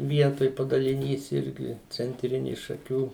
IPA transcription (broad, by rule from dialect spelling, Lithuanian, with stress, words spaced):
ˈʋʲiɛtoːj pɐdɐlʲɪˈnʲiːs ˈɪrʲɡʲɪ t͡sʲɛnʲˈtʲrʲɪnʲɪ ʃɐˈkʲuː